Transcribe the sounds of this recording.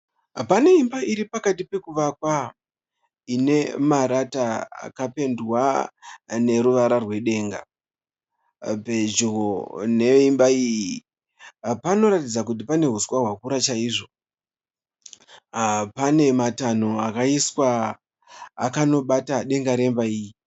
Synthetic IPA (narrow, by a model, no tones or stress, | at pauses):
pane̞imbaʔiɾipakatipe̞kuʋakwa | ine̞maɾataa̰kape̞ndwa | ne̞ɾuʋaɾarwe̞ɗe̞ːŋɡa̰ | pe̞d͡ʒuɣone̞imbaiːji | pano̞ɾatid͡zakut̬ipane̞ɦuskwaɦwakuɾat͡ʃaiʐo̞ | pane̞matan̤oakaiswa̰ː | kano̞ɓataɗe̞ŋɡaɾe̞mbaiːji